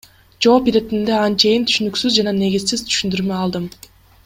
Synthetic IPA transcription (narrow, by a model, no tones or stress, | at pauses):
d͡ʒo̞ːpiɾet̪ind̪eɑnt͡ʃejint̪ʰy̥ʃynyksyzd͡ʒɑnɑne̞ɡʲizsiz̥t̪ʰy̥ʃynd̪yɾmeɑlˠd̪ɯm